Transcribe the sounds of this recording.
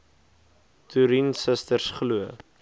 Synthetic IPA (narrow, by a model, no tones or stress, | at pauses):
tʰuɾinsəstərsχluə